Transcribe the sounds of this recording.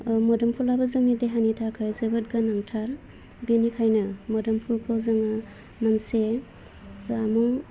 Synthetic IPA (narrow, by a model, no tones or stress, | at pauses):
mɔdɔmpʰulabɯzɯŋideɦanitʰakʰajzɯbɯt̚ɡanaŋtʰaɾ | binikʰajnɯmɔdɐmpʰupʰɔzɯŋa | nanse | zamɔŋ